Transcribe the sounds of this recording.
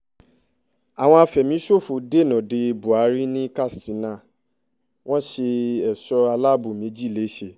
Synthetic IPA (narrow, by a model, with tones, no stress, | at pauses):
a˨w̃ɔ̃˧a˧fɛ˨mĩ˨˦ʃo˦˨fu˨de˦˨nɔ̃˨de˧bu˨a˨˦ɾi˦nĩ˦ka˦˨stĩ˨˦nã˦˨ | w̃ɔ̃˦ʃe˧ɛ˨sɔ˧a˧la˦bu˨mĩ˨˦d͡ʒi˦˨le˨˦ʃe˧˨